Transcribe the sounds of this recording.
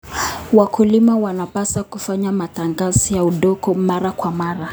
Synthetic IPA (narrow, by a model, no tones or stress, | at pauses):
wakulimawanapasakufaɲamataŋɡazijauɗɔkɔmaɾakwamaɾa